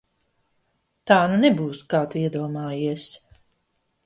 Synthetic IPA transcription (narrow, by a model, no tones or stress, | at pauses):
t̪aːnunɛbuːskaːt̪uiɛd̪uɔmaːjiɛs